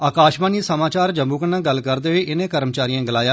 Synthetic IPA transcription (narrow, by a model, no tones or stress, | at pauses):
aːkaːʃbaːniːsəmaːt͡ʃaːɾd͡ʒəmbuːkənãːɡəlkəɾd̪eːɦiːʔɪnẽːkəɾmt͡ʃaːɾijãːɡɪlaːjaː